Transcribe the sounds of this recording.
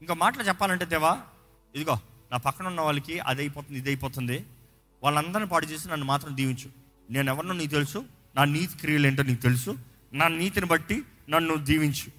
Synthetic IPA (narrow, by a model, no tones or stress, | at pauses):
iŋkoːmaːʈɐlɐt͡ʃɛpːaːlɐɳʈ̬eːt̪ɛʋaː | ed̪uɡoːnaːpɐkːɐɳunːɐʋaːɭːɐkiɐ̰d̪ɐjipɔːt̪und̪id̪ɐjipɔːt̪und̪i | ʋaːɭːɐnd̪ɐɾnipaːʈut͡ʃe̞ːs̬inɐnːumaːt̪ɾɐmd̪iːʋiɲt͡ʃu̥ | ne̞ːnɛʋɐɾnuːniːkut̪e̞lusu | naːniːt̪i̥kɾijɐleːɳʈ̬oːniːkut̪e̞lusu | naːniːt̪inibɐʈːi | nɐnːud̪iːʋiɲt͡ʃu̥